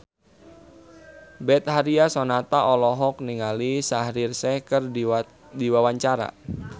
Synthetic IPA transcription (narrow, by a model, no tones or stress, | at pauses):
bɛt̪̚haɾiasɔnat̪aʔɔlɔɦɔk̚niŋalisahɾirsɛkər | diwawaɲt͡ʃaɾa̰